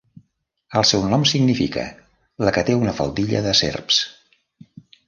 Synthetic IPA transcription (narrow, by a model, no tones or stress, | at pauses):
əlˠsɛwnɔmsiɡnifikə̰ | ləkət̪eunəfə̰lˠd̪iʎə̰ðəsḛrps